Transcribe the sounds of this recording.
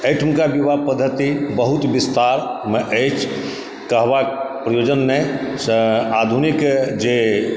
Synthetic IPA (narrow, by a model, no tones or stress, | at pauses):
ejʈʰmkabibapəd̪ʱːət̪ibəɦut̪bist̪aɾmeʔət͡ʃʰ | kəɦbapɾəjod͡ʒənːesad̪ʱunikd͡ʒe